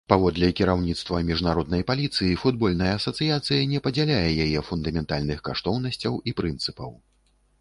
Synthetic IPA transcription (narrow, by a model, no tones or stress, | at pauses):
pavɔd̪lʲɛkʲiɾawnʲit̪st̪vɐmʲiʐnaɾɔd̪nɐjpalʲit̪sɨjifud̪̚bɔlʲnɐjɐːsɐt̪sɨjat̪sɨjɐnʲɛpɐd͡zʲalʲajɛjajɛfund̪ɐmʲɛnt̪alʲnɨxkaʂt̪ɔwn̪ɐsʲt͡sʲɐwipɾɨnt̪sɨpɐw